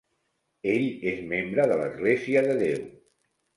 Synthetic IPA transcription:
eʎezmembɾəðələ̰zɣleziəðəðew

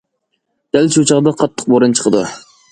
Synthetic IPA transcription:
d̪̥ælʃut͡ʃʰɑʁd̪ɑqʰɑt̪ʰːə̥q̚boɾɨnt͡ʃʰə̥qʰəd̪u

